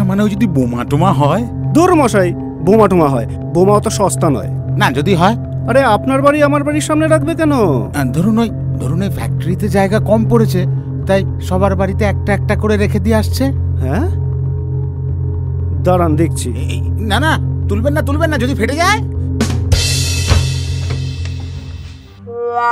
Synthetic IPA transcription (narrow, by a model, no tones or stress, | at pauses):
maneod͡ʑod̪ibomaʈomaɦɔe | d̪oɾmɔʃaj | bomaʈomaɦɔe | bomaot̪oʃɔst̪anɔ̰e | nad͡ʑod̪iɦɔe | aɾeapnaɾbaɾiamaɾbaɽiɾʃamneɾakʰbekɛnod̪ʱoɾonoj | d̪ʱoɾonojfʰɛ̰k̚ʈoɾit̪ed͡ʑaeɡakɔmkoɾet͡ɕʰe | t̪aj | ʃɔβaɾbaɽit̪eɛk̚ʈaɛk̚ʈakoɾeɾekʰed̪ieaʃt͡ɕʰe | ɦɛ̃ | d̪aɾand̪ek̚ʰt͡ɕʰi | nanat̪ulbenːat̪ulbenːad͡ʑod̪ifʰeʈed͡ʑae